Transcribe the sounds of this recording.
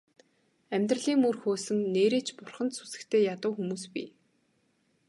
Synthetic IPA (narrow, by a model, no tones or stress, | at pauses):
æmʲt̪rə̆ɮiːŋurxoːsɘ̆ŋneːɾeːt͡ɕpʊrχə̆nt̪su̥sɘ̥̆kt̪ʰeːjat̪ə̆wxumuːspḭ